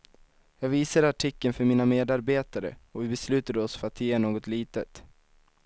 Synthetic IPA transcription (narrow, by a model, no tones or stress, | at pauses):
jɑːɡviːsaɾaʈʰɪkːənfœɾmiːnameːd̪aɾbeːt̪aɾə̰ɔvɪbɛslʉ̟ːt̪ad̪əɔsfœɾat̪jeːnoːɡɔt̪liːt̪ət̪